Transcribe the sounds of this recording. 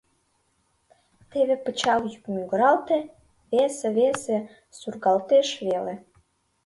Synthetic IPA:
t̪eβepət͡ɕɑljykmyɡə̆ɾɑlt̪e | βeseβese | surɣɑlt̪eʃβele

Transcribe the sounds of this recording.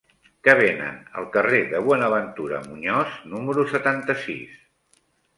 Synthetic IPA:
kəβ̞enə̰nə̰lˠkəreðəβwɔnəβənt̪uɾə̰muɲɔznuməɾusət̪ant̪əsḭs

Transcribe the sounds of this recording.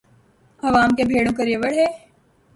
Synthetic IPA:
ɐʋaːmkebʱeːɽõkɐɾieʋəɽɦeː

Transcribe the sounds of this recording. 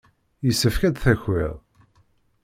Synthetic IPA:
jəsːəfkæd̪θæçḭʁˤ

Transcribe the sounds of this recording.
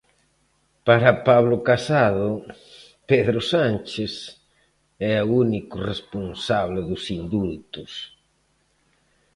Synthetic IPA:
paɾapaβlʊkasaðʊ | peðɾosant͡ʃes | ɛaunikʊresponsaβleðʊsind̪ult̪ʊs

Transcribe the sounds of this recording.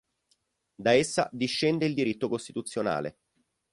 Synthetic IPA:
d̪aesːa̰d̪iʃːɛnd̪eild̪iɾit̪ːokost̪it̪ut̪sːjona̰ːlḛ

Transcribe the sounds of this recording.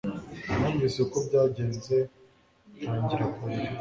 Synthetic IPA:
nuːɱvisekobɟaːɟeːnze̞ | aːɲɟiɾakai

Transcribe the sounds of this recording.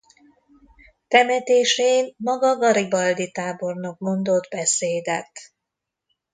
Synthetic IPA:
t̪ɛmɛt̪eːʃenmɒɡɒɡɒɾibɒld̪it̪aːbo̞rnok̚mo̞nd̪o̞d̪bɛseːd̪ɛt̪

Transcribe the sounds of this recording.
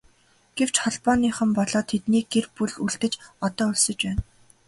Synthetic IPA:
ɡ̥ew̥t͡ɕχɔɮpɔːniːχə̆mpɔɮɔːt̪ʰet̪niːɡerpuɮuɮt̪ɘ̆t͡ɕɔt̪ɔːɵɮsɞ̆t͡ɕpæːn

